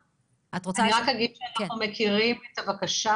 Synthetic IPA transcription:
atʁot͡saiʁakaɡidʃeanaχnumekiʁimet̪avakaʃa

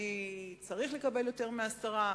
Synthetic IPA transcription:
it͡saʁiχle̞kabe̞ljo̞te̞ʁmeasaʁa

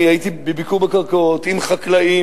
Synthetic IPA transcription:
ait̪ibebikuʁbekaʁkot̪imχaklai

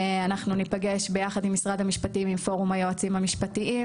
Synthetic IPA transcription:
anaχnunipaɡe̞ʃbe̞jaχadimːisʁadhamiʃpatiimimfo̞ʁumajoat͡simhamiʃpatiʔim

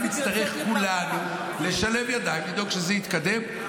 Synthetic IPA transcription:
mist̪aʁeχkulanu | le̞ʃale̞mjad̪aimlid̪o̞ɡʃezeit̪kad̪e̞m

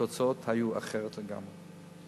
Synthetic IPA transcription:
ot͡saot̪hajua̰χeʁet̪leɡa̰mʁe

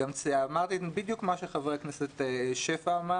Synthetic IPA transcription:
amt͡seamaʁt̪ibid̪jukmaʃeχavʁekneset̪eʃefama

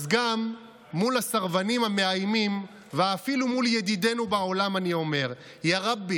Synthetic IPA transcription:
zɡamː | ulasaʁvanimhame̞ajmim | veafilumuljedide̞nubaolamanio̞me̞ʁ | jaʁabi

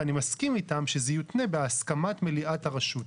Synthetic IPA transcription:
animaskimitamʃezejut̪ne̞be̞askamatmeliʔataʁaʃut

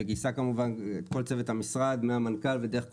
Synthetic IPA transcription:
eɡisakamuvanet̪ko̞lt͡se̞vet̪amisʁad̪meamankalved̪e̞eχk

